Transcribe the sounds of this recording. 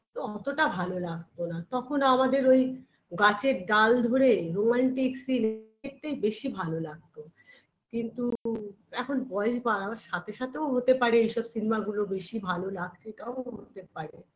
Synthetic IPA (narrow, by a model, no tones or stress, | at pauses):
t̪oɔt̪oʈabʱalolaɡ̚t̪onat̪ɔkʰonamad̪eɾoj | ɡat͡ɕeɾɖald̪ʱoɾeɾomaɳʈiksine | k̚t̪ejbeʃibʱalolaɡ̚t̪o | kint̪u | ɛkʰonbɔeʃbaɾaaɾʃat̪ʰeʃat̪ʰeoɦot̪epaɾeejʃɔbsinemaɡulobeʃibʱalolaɡ̚t͡ɕʰeʈaoɦot̪epaɾe